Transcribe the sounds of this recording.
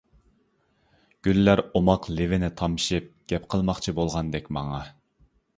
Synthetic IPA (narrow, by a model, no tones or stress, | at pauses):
ɡ̥ʲylːæɾomɑqlɪvɪnɪt̪ʰɑmʃip̚ɡ̥ʲɛpqʰəlˠmɑχt͡ʃʰibolˠʁɑnd̪ɛkʲmɑŋɑ